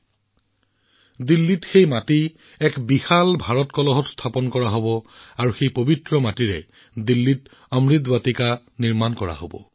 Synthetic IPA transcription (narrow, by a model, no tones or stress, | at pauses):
dilːitxejmati | ɛkbixalbʱaɹɔtkɔlɔɦɔtstʰapɔnkɔɹaɦobɔaɹuxejpobitɹɔmatiɹɛ̰ | dilːit | ɔmɹit̪batika | niɹmankɔɹa̰ɦo̰bɔ̰